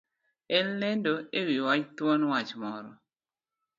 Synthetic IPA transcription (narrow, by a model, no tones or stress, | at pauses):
ɛlːɛndoewiwat͡ʃt̪wɔnwat͡ʃmɔɾɔ̰